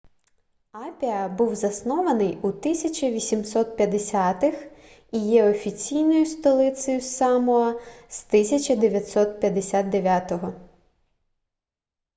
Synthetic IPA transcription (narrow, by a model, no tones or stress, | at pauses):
apʲiɐbuwzɐsnɔʋɐnɪjut̪ɪsʲɐt͡ʃɐʋʲisʲimsɔt̪̚pʲjɐd̪esʲat̪ɪx | ijɛɔfʲit͡sʲijnɔjʊst̪ɔlˠɪt̪sɔjʊsɑmɔɐst̪ɪsʲɐt͡ʃɐd̪eʋʲjɐt̪ʲsɔt̪̚pʲjɐd̪esʲad̪̚d̪eʋʲat̪ɔɦɔ